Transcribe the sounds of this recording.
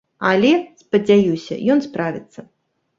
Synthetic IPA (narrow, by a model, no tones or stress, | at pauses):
ɐlʲɛspɐd͡zʲajusʲɐ̰jɔnspɾavʲit̪sːɐ